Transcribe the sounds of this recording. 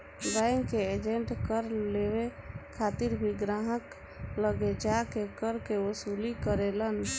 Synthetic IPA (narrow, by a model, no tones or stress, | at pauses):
ɡajŋkeed͡ʒeɳʈkəɾleʋekʰat̪iɾbʱiɡɾaɦək | ləɡed͡ʒakekəɾkeʋəsulikəɾelən